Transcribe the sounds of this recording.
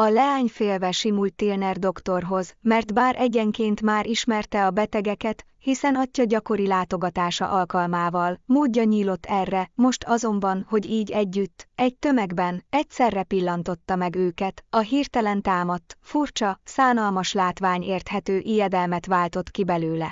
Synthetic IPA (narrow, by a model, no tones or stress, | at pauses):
ɒlɛaːɲfeːlvɛʃimult̪ːeːlnɛrd̪o̞kt̪o̞rɦo̞zmɛrt̪baːɾʔɛɟɛŋkeːnt̪maːɾʔiʃmɛrt̪ɛɒbɛt̪ɛɡɛkɛt̪ | hisɛnɒcːɒɟɒko̞ɾilaːt̪o̞ɡɒt̪aːʃɒ̰ʔɒlkɒlmaːvɒlmoːɟːɒɲiːlo̞t̪ːɛrːɛmo̞ʃt̪ʰɒzo̞mbɒnho̞ɟiːɟɛɟːyt̪ːɛɟ̚t̪ø̞mɛɡbɛnɛcsɛrːɛpilːɒnt̪o̞t̪ːɒmɛɡøːkɛt̪ɒɦiːrt̪ɛlɛnt̪aːmɒt̪ːfurt͡ʃɒsaːnɒlmɒʃlaːt̪ʋaːɲeːrt̪hɛt̪øːʔijɛd̪ɛlmɛt̪ʋaːlt̪o̞t̪kibɛløːlɛ